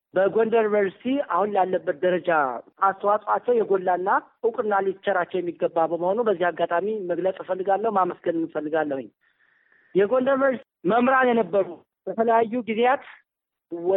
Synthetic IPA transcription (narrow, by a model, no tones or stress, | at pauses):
bəɡondəɾvəɾssiahunlalːəbːət̪̚d̪əɾəd͡ʒaast̪ʰəwasʼat͡ʃːɛwjɛɡo̞lːanːaʔukʼɨnːalit͡ʃːɛɾat͡ʃːɛwjɛmːiɡːəbːabəməho̞nubəzːihaɡːat̪ʼamiməɡləsʼfəlːɨɡalːəhmaməsɡənɨnːɨfəlːɨɡalːəhuɲ | jɛɡo̞ndəɾməɾs | məmɾanjɛnəbːəɾu | b̥ət̪ʰələjajːuɡizejat̪ | w